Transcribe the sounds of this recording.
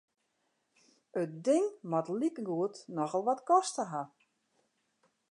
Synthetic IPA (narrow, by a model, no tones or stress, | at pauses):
ət̚dɪŋmɔtlikəɡuətnɔxɔlˠʋɔtkɔstəɦa